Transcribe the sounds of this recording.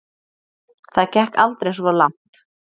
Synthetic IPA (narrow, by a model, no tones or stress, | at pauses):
θaðcɛhkalt̪ɾejsvalan̥t̪